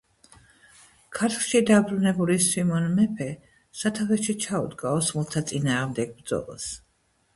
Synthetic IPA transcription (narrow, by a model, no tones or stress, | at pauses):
kʰaɾt̪ʰχʃid̪abɾunɛbulisimɔnmɛpʰɛ | sat̪ʰaʁɛʃit͡ʃʰaṵd̪ɡaɔsmulˠt̪ʰat̪sʼinaːʁmd̪ɛɡ̚bɾd̪zɔ̰lˠa̰s